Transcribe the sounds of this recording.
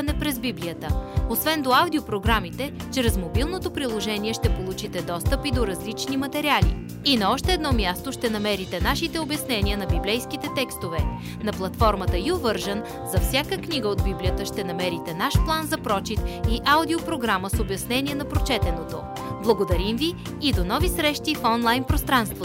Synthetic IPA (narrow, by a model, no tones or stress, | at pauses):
ɐnɛpɾɛzbiblijət̪əosvɛnd̪oawd̪iopɾoɡɾamit̪ɛ | t͡ʃɾɛzmobilˠnot̪opɾilˠoʒɛniɛʃt̪ɛpolˠut͡ʃit̪ɛd̪ɔst̪əpid̪oɾɐzlit͡ʃnimɐt̪ɛɾialḭ | inɐɔʃt̪ɛːd̪nɔmʲjast̪oʃt̪ɛnɐmɛɾit̪ɛnaʃit̪ɛobjɐsnɛniənɐbiblɛjskit̪ɛt̪ɛkst̪ovɛ | nɐplˠɐt̪fɔɾmət̪əiovɤɾʒən | zɐfsʲjakəkniɡəod̪̚biblijət̪əʃt̪ɛnɐmɛɾit̪ɛnaʃplˠanzɐpɾɔt͡ʃit̪iʔaʊd̪iopɾoɡɾaməsobjɐsnɛniɛnɐpɾot͡ʃɛt̪ɛnot̪o | blˠɐɡod̪ɐɾimviː | d̪onɔvisɾɛʃt̪ifɔnlˠajnpɾost̪ɾanst̪vo